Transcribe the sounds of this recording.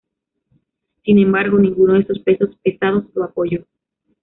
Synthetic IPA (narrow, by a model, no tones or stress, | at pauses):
sinẽ̞mbaɾɣo̞nĩŋɡunoðesospe̞so̞spe̞sað̞o̞soapo̞ʝo̞